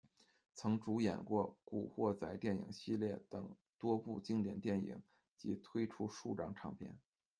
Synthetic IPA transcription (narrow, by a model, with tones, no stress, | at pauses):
t͡sʰɤ˧˥ŋʈ͡ʂu˧˥jɛ̰˨˩nkwɔ˥˩kṵ˨˩xwɔ˥˧t͡sa˧˥ɪt̪jɛ˥˩nḭ˨˩ŋɕi˥˧ljɛ˥˩t̪ɤ˨˩ŋ | t̪wɔ˥pu˥˩t͡ɕi˥ŋt̪jɛ˨˩nt̪jɛ˥˩nḭ˨˩˦ŋ | t͡ɕi˧˥t̪ʰwe˥ɪʈ͡ʂʰu˥ʂu˥˧ʈ͡ʂɑ̰˥˩ŋʈ͡ʂʰɑ˧˥ŋpʰjɛ̰˥˩n